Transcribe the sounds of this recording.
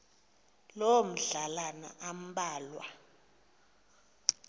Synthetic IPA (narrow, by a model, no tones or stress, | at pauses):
lom̩ɮalana̰ʔam̩ɓaːlwa̰